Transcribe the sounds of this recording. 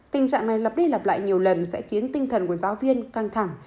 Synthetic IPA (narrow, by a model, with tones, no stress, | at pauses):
t̪ï˨˩ŋt͡ɕa̰ː˧˨ŋna˨˩jla˨˩p̚ɗə˧jlaː˨˩p̚la̰ː˧˨jɲi˨˩əwlə˨˩nsɛ̰˧˥xi˨˦ənt̪ï˧ŋ̟t̪ʰə˨˩nku˧˩əzaː˨˦wvi˧ənka˧ŋt̪ʰa˧˩ŋ